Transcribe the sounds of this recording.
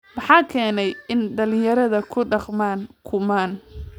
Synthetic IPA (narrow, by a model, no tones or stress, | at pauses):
mɑħɑːkʰɛːnɛjɪnɖɐlɪjɐɾɐðɐkʰʊɖɑqmaːŋkʰʊmaːn